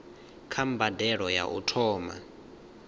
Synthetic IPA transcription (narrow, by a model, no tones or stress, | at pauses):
kʰambadɛɺɔja̰ʔṵtʰɔːma̰